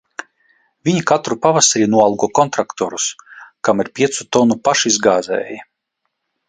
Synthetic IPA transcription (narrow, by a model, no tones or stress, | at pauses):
vʲiɲikat̪ɾupavasaɾiːnuɔalˠɡuɔkɔnt̪ɾakt̪ɔɾuskamiɾpʲiɛt̪sut̪ɔnupaʃizɡaːzɛ̰ːja